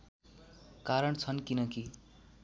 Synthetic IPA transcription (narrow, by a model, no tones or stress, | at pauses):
kaɾʌɳt͡sʰʌnkinʌki